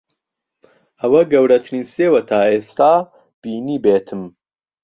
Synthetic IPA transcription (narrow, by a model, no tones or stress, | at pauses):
ɐwɐɡɐwɾɐt̪ʰniːseːwɐt̪ʰaːeːst̪aː | b̥iːniːbeːt̪ʰɨm